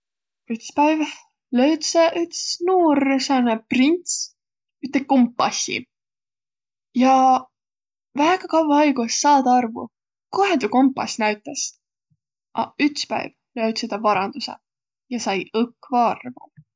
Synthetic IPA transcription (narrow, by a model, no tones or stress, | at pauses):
yt̪spæjv | lø̞ɥt̪seʔyt̪snuːresɑneprint̪s | yt̪ːˑekompːɑsʲḭ | jɑ | væːɡ̥ɑkɑwvɑɑjɡusːɑːd̪̥ɑɑrvṵ | koɦend̪uko̞mpːˑɑsnæɥt̪ːˑes | ʔɑ̰yt̪spæ̰jv | løɥd̪sed̪̥ɑvɑɾɑnd̪̥usḛ | jɑsɑjɤkːvɑɑrvṵ